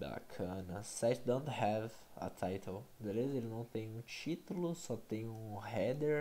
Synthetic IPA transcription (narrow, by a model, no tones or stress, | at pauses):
ba̰kʰɐ̃nɐsɛt͡ʃd̪õnt̪hɛv | ɐ̰t̪ʰajt̪ʰold̪elezelɪnɐ̃w̃t̪ẽj̃ũt͡ʃit̪ulʊsɔt̪ẽj̃ũhɛd̪eɾ